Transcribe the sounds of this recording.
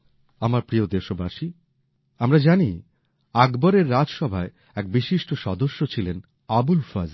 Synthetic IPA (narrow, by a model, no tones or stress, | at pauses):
amaɾpɾiod̪eʃobaʃi | amɾad͡ʑani | aɡbaɾeɾːad͡ʑʃɔbʱae | ɛk̚biʃiʃʈoʃɔd̪oʃːot͡ɕʰilen | abulfaz